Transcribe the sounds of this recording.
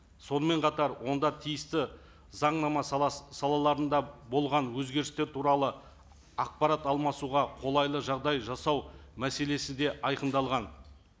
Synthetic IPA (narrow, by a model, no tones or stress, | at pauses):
so̞nəme̞ɴqʰɑt̪ɑɾwo̞nd̪ɑt̪ʰijɪst̪ɪ | zɑɴnɑmɑsɑlˠɑlˠɑɾənd̪ɑbo̞lˠʁɑnwɵzɡʲe̞ɾɪst̪e̞ɾt̪ʰuɾɑlˠə | ɑq̚pɑɾɑt̪ɑlˠmɑsuʁɑqʰo̞lˠɑjlˠəʒɑʁd̪ɑjʒɑsɑwmæse̞le̞sɪd̪e̞ʔɑjqənd̪ɑlˠʁɑn